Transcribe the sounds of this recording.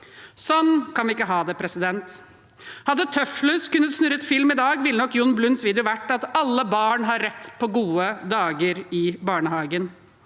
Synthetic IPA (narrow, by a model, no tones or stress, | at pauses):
sɔnːkɑnʋɪɪkːəɦɑːd̪ɛpʰɾɛsɪd̪ɛnt̪ | hɑd̪ːət̪ʰœflʉskʉnːət̪snʉɾət̪fɪlmɪd̪ɑːɡʋɪlːənɔkːjʊnːblʉnsʋiːd̪ɛʊʋæʈːɑt̪ɑlːəbɑːɳɦɑɾːɛt̪ːpʰɔɡuːəd̪ɑːɡəɾɪbɑːɳəhɑːɡən